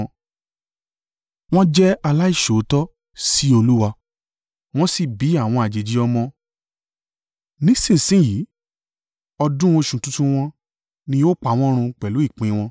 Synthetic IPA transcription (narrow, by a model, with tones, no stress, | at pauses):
w̃ɔ̃˦d͡ʒɛ˦a˧la˦i˦˨ʃo˨˦tɔ˦ | si˦o˧lu˦wa˧ | w̃ɔ̃˦si˦˨bi˨˦a˦˨w̃ɔ̃˧a˨d͡ʒe˨d͡ʒi˨˦ɔ˧mɔ̃˧ | nĩ˦sĩ˦˨sĩ˦˨ji˨˦ | ɔ˧dũ˦o˧ʃũ˨tũ˦tũ˦w̃ɔ̃˧ | nĩ˧jo˦k͡pa˨w̃ɔ̃˦ɾ̃ũ˧k͡pɛ˨lu˨˦i˦˨k͡pĩ˨˧w̃ɔ̃˧